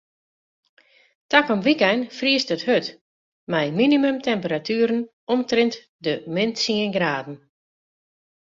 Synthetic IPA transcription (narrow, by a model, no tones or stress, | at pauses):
takɔmʋikɛnfriəstəthøt | mɛjminimømtʰɛmpəɾatʰyəɾn̩ | ɔmtrɪnt | dəmɪnsiənɡraːdn̩